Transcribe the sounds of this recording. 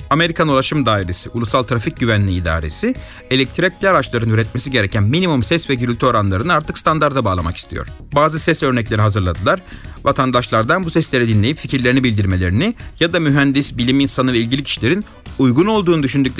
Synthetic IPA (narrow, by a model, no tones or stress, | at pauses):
ame̞ɾikʰanulˠaʃɯmd̪aːiɾesiʔulˠusalˠt̪ʰɾafic̚ɟyvænlʲiːd̪a̰ːɾḛsi | elʲɛc̚t̪ʰɾɛc̚ʲaɾaʃlˠaɾɯnyɾɛt̪mesiɟe̞ɾɛcʰænminimumsɛsvɛɟyɾylʲt̪ʰyo̞ɾanlˠaɾɯnɯaɾt̪ʰɯkst̪and̪aɾd̪abaːlˠa̰ma̰kist̪ʰijo̰ɾ̥baːzɯsɛsø̞ɾnɛclʲeɾiɦazɯɾlˠad̪ɯlˠaɾvat̪ʰand̪aʃlˠaɾd̪anbusɛslʲeɾid̪inlʲe̞jipficʰiɾlʲe̞ɾinibilʲd̪iɾme̞lʲe̞ɾinijad̪amyɦænd̪isbilʲiminsanɯvɛilʲɟilʲicʰi̥ʃlʲe̞ɾin | ujɡuno̞lˠd̪uːnud̪yʃ̬ynd̪ycʲlʲ